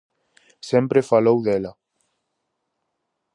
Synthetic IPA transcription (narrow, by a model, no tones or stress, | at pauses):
sempɾefalowðela